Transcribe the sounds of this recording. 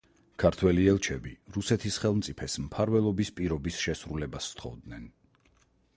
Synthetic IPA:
kʰaɾt̪ʰwɛliɛlˠt͡ʃʰɛbiɾusɛt̪ʰisχɛlˠmt̪sʼipʰɛsmpʰaɾvɛlˠɔbispʼiɾɔbisʃɛsɾulɛbast̪ʰχɔ̰vd̪nɛn

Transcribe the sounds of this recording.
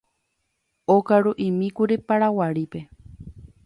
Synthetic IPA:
okaɾuʔimĩkuɾipaɾawaɾipe

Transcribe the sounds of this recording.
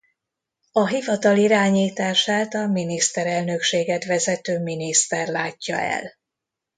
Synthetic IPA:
ɒɦivɒt̪ɒliɾaːɲiːt̪aːʃaːt̪ɒminist̪ɛɾɛlnø̞kʃeːɡɛt̪ʋɛzɛt̪øːminist̪ɛrlaːcːɒ̰ɛ̰l

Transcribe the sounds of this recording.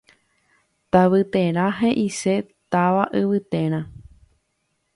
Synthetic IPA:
t̪aʋɨt̪ẽɾ̃ãɦẽʔise̞t̪aʋaʔɨʋɨt̪ẽ̞ɾ̃ã

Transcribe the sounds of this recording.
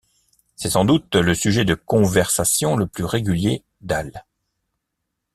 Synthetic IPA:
sɛsɑ̃d̪ut̪ləsyʒɛd̪əkɔ̃vɛʁsasjɔ̃ləplyʁeɡʲylje | d̪al

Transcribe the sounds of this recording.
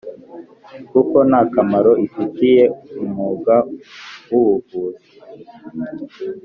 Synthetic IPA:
kuko̞nakamaɾoifitije̞umuɡawuwuɡuːzi

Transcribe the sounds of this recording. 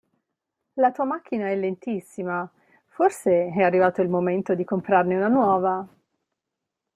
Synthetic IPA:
lat̪uːamak̟ːinaɛlːent̪isːima | forseɛarːivaːt̪oilmoment̪od̪ikompɾarneunanwɔːva

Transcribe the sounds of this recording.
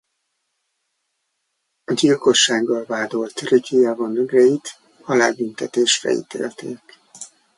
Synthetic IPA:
ɒɟilko̞ʃːaːɡːɒlvaːd̪o̞lt̪rikʰiɛvonːøɡrɛjit̪ | hɒlaːbynt̪ɛt̪eːʃfɛ̰ḭt̪ḛːlt̪ḛːk

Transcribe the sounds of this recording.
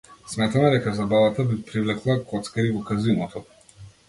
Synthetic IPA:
smɛt̪amɛd̪ɛkazabavat̪abipɾivlɛklˠakɔt̪skaɾivɔkazinɔt̪ʰɔ

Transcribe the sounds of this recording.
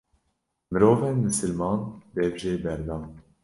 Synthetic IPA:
mɨɾoːvɛnmɨsɨlmɑːnb̪ɛbʒeːbɛɾd̪ɑːn

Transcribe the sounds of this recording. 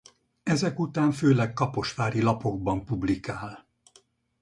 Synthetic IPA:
ɛzɛkut̪aːɱføːlɛkːɒpo̞ʃʋaːɾilɒpo̞ɡ̚bɒmpublikaːl

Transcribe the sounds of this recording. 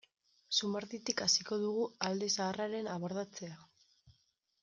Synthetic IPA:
sumaɾðit̪ikasiko̞ðuɣ̞uald̪e̞saːraɾe̞naβoɾðat͡se̞a

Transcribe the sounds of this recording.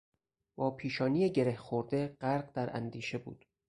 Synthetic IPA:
bɒːpʰiːʃɒːniːjeɟeɾehxoɾd̪e̞ɢæɾɢd̪æɾʔæ̰nd̪iːʃe̞bṵːd̪̥

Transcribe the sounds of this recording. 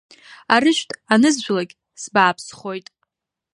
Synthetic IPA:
aɾɨʃᶣtʼanɨzʒʷᶣlaɡʲ | sbaːpʰsχo̞jtʼ

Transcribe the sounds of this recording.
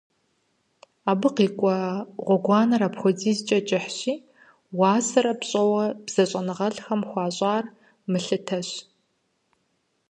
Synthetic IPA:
aːbɨqiːkʷʼɔʁʷɔɡʷɑːnɐɾapxʷɔd͡ziːzt͡ʃʼɐt͡ʃʼɪħɕiː | wɑːsɐɾɐpɕʼɐwɐb̥z̥ɐɕʼɐnɨʁɐɮxɐmxʷɑːɕʼaːr | mɨɬɨtʰɐɕ

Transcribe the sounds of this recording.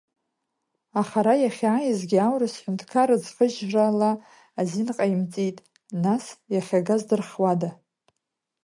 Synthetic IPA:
aχaɾajaχʲaːjɪzɡʲiawrasħʷʊntʰkʰaɾɨd͡zqəʒraːlaː | zinqʼaimt͡sʼitʼ | nasjaχʲaɡazdɨrχwada

